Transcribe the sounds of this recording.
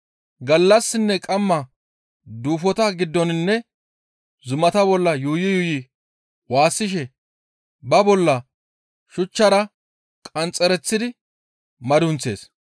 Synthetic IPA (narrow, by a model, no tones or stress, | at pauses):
ɡɐlːɐsːɪnːɛkʼɐmːɐ | d̪uːfɔt̪ɐɡɪd̪ːɔnɪnːɛ | zʊmɐt̪ɐbɔlːɐjuːjɪjuːjɪ | waːsːɪʃɛ | bɐbɔlːɐ | ʃʊt͡ʃːɐɾɐ | kʼɐnt͡sʼːɛɾɛt͡sːɪd̪ɪ | mɐd̪ʊnt͡sːe̞̰ːs